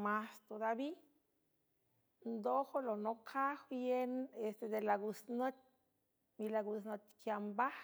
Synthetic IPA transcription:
mast̪od̪abi | nd̪oxolonokʰaxjenest̪ed̪elaɡusnot̪̚ʲ | milaɡusnot̪ʲkjamba

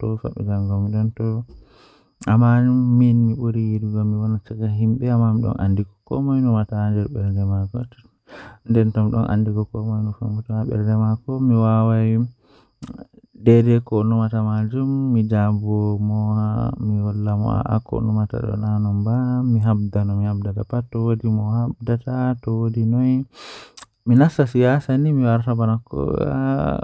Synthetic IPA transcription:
tɔfa̰ɓɛ̰d͡ʒaŋɡɔmiɗɔntɔ | amaminmiɓoɾijiɾuɡamiwɔnat͡ʃakaɦimɓɛamːamiɗɔ̰nʔa̰ndikɔ̥kɔ̰mɔjnɔmataːnd͡ʒɛɾɓɛɾdɛmakɔ | ndɛntɔmiɗɔ̰nʔa̰ndikɔkɔmɔjnɔfa̰mɡutaaɓɛ̰ɾdɛmakɔmiwawaj | dɛɾɛkɔnumatamad͡ʒumːid͡ʒabɔmɔmiwɔlːamɔ̰a̰ʔa̰kɔ̰numata̰ɗɔ̰nanɔmbamiɦabdanɔmihabdatapatːɔwodimɔhabdatatɔwodinɔj | minasasijasanimiwaɾtabanakːɔ̰a̰

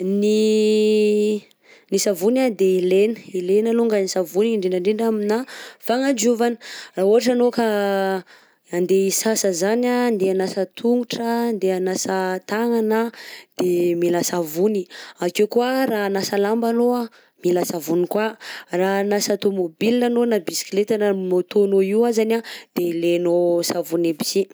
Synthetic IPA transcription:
ni | nisavunad̪eilenə̥ilenaluŋɡanisavuniɳɖ͡ʐeɳɖ͡ʐaɳɖ͡ʐeɳɖ͡ʐaminafaŋad͡ʒuvanə̥raɦuɦaʈ͡ʂanoka | and̪eisasəzanand̪eanasət̪ʰuŋɡuʈ͡ʂand̪eanasət̪aŋanad̪̥emilasavuniakewkuaranasalambanoa | milasavunikwaranasat̪omobilinanonabisi̥klet̪ananot̪onoiwazanad̪̥elenosavunebi̥si

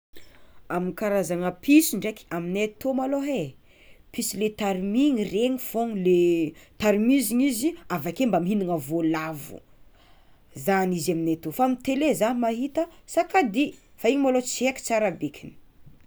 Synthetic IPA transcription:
aminikaɾazaŋəpʰisiɳɖ͡ʐekaminet̪omaloɦe | pisilet̪aɾimiŋireŋifoŋlet̪aɾimiziɲiziavakembamɦiniŋəvolavṵ | zanizaminet̪ofaamit̪elezanimaɦit̪əsakad̪i | faiɲimalot͡sieki̥t͡saɾabekʰini̥

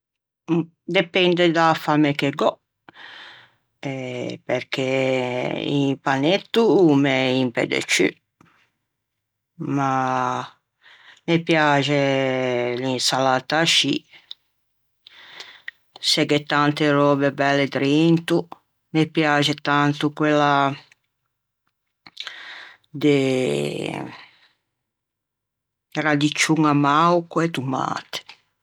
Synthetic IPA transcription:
d̪epɛnd̪ed̪afamekeɡɔ | epeɾke | ḭpanet̪ːumeimpḛd̪ḛt͡ʃy̰ | ma | mepjaːʒe | linsalat̪aʃi | sɛɡet̪ant̪eɾɔbebɛled̪ɾint̪u | mepjad͡ʒet̪ant̪ukwela | d̪e | ɾad̪it͡ʃuŋamawkuet̪uma̰ːt̪e̥

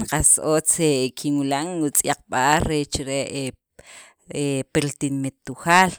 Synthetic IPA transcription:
qasot͡sekʰinwilaŋut͡sʼjaq͡χɓaɾɾet͡ʃɾeʔ | epeɾt̪inmit̪ːuxaːl

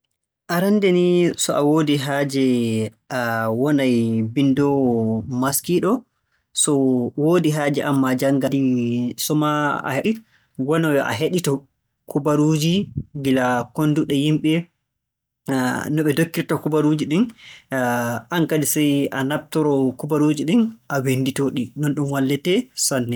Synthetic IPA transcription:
ʔaɾandɛnisɔʔawoːdiɦaːd͡ʒɛʔawɔnajbindɔmaskiɗɔ | sɔwodiɦaːd͡ʒɛʔamːad͡ʒaŋɡadisɔmaa̰heɗi | wɔnɔwɛʔa̰ɦeɗitɔ | kubaɾud͡ʒiɡilakonduɗɛjimɓɛ | nɔɓɛdokːiɾtɔkubaɾud͡ʒiɗin | ʔankadisɛjanab̚tɔɾɔkubaɾud͡ʒiɗinʔawenditoɗinɔnɗumwalːɛtɛsanːɛ

